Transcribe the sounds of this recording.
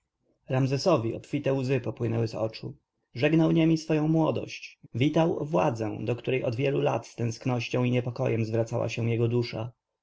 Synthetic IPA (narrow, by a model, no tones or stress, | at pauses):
ɾamzɛsɔvʲiɔpfʲit̪ɛwzɘpɔpwɘnɛwɘzɔ̰t͡ʂu | ʐɛɡnawɲemʲisfɔjɔ̃w̃mwɔd̪ɔ̰ɕt͡ɕvʲit̪awvwa̰d̪zɛ̰̃d̪ɔkt̪uɾɛjʔɔd̪vʲjɛlula̰t̪st̪ɛ̃w̃sknɔɕt͡ɕɔ̃w̃iɲɛpɔkɔ̰jɛmzvɾat̪sawa̰ɕɛ̃jɛɡɔd̪uʂa̰